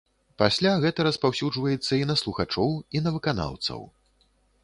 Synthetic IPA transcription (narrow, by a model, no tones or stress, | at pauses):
pasʲlʲaɣɛt̪ɐɾɐspawsʲud͡ʐvɐjɛt̪sːɐinɐslˠuxat͡ʂɔwinɐvɨkana̰wt̪sɐ̰w